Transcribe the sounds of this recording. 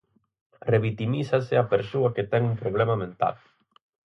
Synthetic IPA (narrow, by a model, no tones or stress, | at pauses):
reβit̪imisaseapeɾsoɐket̪ɛŋumpɾoβ̞lɛmamẽnt̪a̰l